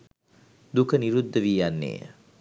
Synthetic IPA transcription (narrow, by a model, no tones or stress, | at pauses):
d̪ukəniɾud̪ːəʋiːjanːḛː